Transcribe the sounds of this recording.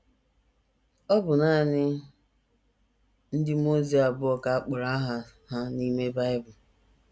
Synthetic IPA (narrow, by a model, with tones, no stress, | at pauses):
ɔ˦bʊ˨na˦˨nɪ˦ | n̩˦dɪ˦mo˦zi˨˦a˨bʊ˦ɔ˨ka˨a˦k͡pʊ˨ɾa˦a˦ɦa˨ | ha˦ni˦me˦ba˦ɪ˦bʊ˨